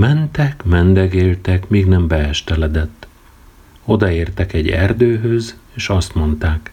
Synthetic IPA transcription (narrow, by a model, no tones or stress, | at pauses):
mɛnt̪ɛkmɛnd̪ɛɡeːlt̪ɛkmiːɡnɛmbɛɛʃt̪ɛlɛd̪ɛt̪ː | o̞d̪ɒeːrt̪ɛkɛɟːɛ̰rd̪øːɦøzeːʃɒst̪mo̞nt̪aːk